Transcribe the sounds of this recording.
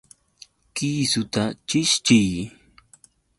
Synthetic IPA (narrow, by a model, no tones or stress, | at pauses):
kiːsʊt̪at͡ʃɪʃt͡ʃɪj